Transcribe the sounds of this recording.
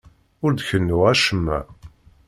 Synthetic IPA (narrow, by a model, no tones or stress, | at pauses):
ʊɾd̪çənːuʁæʃəmːæ̰